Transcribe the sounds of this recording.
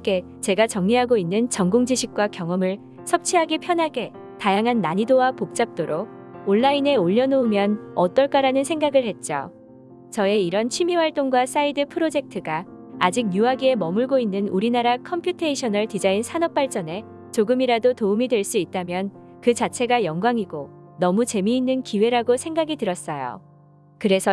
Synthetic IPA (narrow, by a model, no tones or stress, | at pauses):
k͈e̞ | t͡ɕe̞ɡat͡ɕʌŋɲiɦaɡoinːɯnt͡ɕʌŋɡoŋd͡ʑiɕʰik̚k͈wakjʌŋʌmɯɭ | sʰʌp̚t͡ɕʰiɦaɡipʰjʌnɦaɡe̞ | tajaŋɦanːaɲidowapok̚t͡ɕ͈ap̚t͈oɾo | oɭːaine̞oʎːʌnoumjʌnʌt͈ʌɭk͈aɾanɯnsʰe̞ŋɡaɡɯɭhe̞t̚t͡ɕ͈o̰ | t͡ɕʌe̞iɾʌnt͡ɕʰimiwaɭt͈oŋɡwas͈aidɯpʰɯɾod͡ʑe̞k̚tʰɯɡaːd͡ʑik̚juaɡie̞mʌmuɭɡoinːɯnuɾinaɾakʰʌmpʰjutʰeiɕʰʌnʌɭtid͡ʑainsʰanʌp͈aɭt͡ɕ͈ʌne̞ | t͡ɕoɡɯmiɾadotoumidwe̞ɭs͈uit̚t͈amjʌn | kɯt͡ɕat͡ɕʰe̞ɡajʌŋɡwaŋiɡonʌmut͡ɕe̞miːnːɯnkiwe̞ɾaɡosʰe̞ŋɡaɡitɯɾʌs͈ʌjo̰ | kɯɾe̞sʰʌ